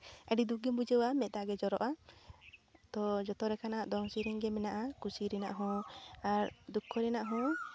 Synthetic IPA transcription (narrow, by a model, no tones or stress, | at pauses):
əɖid̪uɡimbud͡ʒəwamɛt̪̚ˀd̪aɡɛd͡ʒɔɾɔ̰ʔa | t̪ɔd͡ʒɔt̪ɔɾɛkanaʔd̪ɔŋsiɾɛŋɡɛmɛnaʔakusiɾina̰ʔɦɔ̃aɾd̪ukʰːɔɾɛnaʔɦɔ̃